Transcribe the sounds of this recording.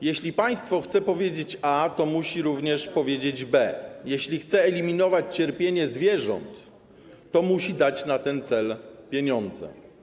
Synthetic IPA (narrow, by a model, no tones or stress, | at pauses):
jeɕlʲipaj̃st̪fɔxt̪sɛpɔvʲjed͡ʑet͡ɕat̪ɔmuɕiɾuvɲɛʂpɔvʲjed͡ʑed͡ʑbɛjeɕlʲixt̪sɛːlʲimʲinɔvat͡ɕt͡ɕɛɾpʲjeɲɛzvʲjɛʐɔ̰nt̪ː | ɔmuɕid̪at͡ɕnat̪ɛnt̪sɛlpʲjeɲɔnd̪zɛ̰